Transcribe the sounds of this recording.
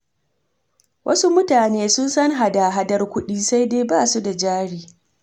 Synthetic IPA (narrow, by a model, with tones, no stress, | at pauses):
wʔɐ̰˦su˦mʊ˦taː˨neː˦sʊ˦nsɐ˦ŋɦa˨daː˨ɦa˦dɐ˦rkʷʊ˦ɗiː˦sa˦jdeː˦baː˦˨su˦da˨d͡ʒaː˦ɽiː˦